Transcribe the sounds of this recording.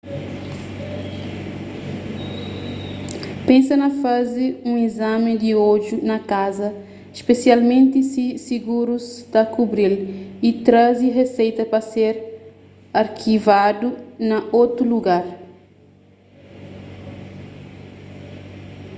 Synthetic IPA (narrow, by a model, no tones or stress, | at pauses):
pẽnsɐnɐfaziũizamɪ̃d̪iɔd̪junɐkazɐ | iʃpesialmẽnt̪isisiɡuɾuzt̪ɐkubɾilit̪ɾaziɦesejt̪ɐpɐseɾ | aɾkʰivad̪unɐʔot̪ɾuluɡaɾ